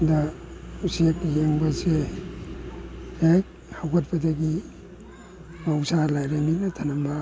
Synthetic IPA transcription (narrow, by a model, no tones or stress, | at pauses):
dausek̚jeŋbɐse | hek̚ | hawkʰɐt̚pɐdɐɡi | ausalajɾaminɐtʰanɐmbɐ